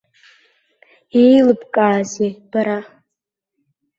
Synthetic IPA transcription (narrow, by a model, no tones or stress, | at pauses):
ejlɨbkʼaːzeb̥aɾa